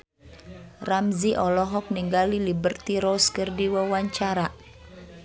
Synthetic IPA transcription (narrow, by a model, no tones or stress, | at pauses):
ramziʔɔlɔɦɔk̚niŋɡalilibərt̪iɾɔskɨrdiwawaɲt͡ʃaɾa